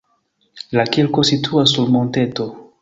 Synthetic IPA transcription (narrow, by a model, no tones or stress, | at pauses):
lakelkositʰuasːuɾmõnteto